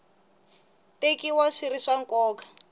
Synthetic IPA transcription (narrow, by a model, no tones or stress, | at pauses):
tekiwaʂiɾiʂaŋkɔːkḁ